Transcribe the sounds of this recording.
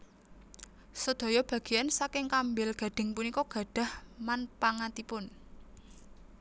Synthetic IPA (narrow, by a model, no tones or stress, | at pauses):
səd̪̥o̤jɔb̥ä̤ɡ̥i̤jansakɪŋkambɪlɡ̥ä̤ɖ̥ɪ̤ŋpunikɔɡ̥a̤ɖ̥a̤hmanpaŋat̪ipʊn